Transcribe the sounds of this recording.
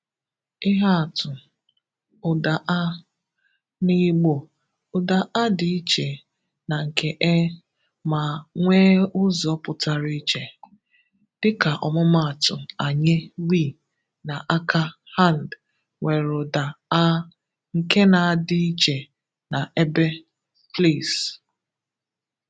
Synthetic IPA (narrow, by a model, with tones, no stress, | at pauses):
ɪ˦ɦa˦a˨tʊ˨ | ʊ˨da˨ʔa˦ | ni˦ɡ͡bo˨ | ʊ˨da˨ʔa˦dɪ˨i˦t͡ʃe˨ | na˨ŋ̩˨ke˨ʔe˦ | ma˨ŋʷeː˦ʊ˦zɔ˨˦pʊ˨ta˨ɾi˦i˦t͡ʃe˨ | d̥ɪ˦ka˨ʔɔ̰˨mʊ˦ma˨a˨tʊ˨a˨ɲɪ˦wi˦˨ | na˨ʔa˦kʰa˦ | ha˦˨n˨d | ŋʷe˨ɾʊ˨da˨a˦ | ŋ̩˨ke˦na˨a˦˨dɪ˦i˦t͡ʃe˨ | na˨ʔe˦be˦ | fle˦˨s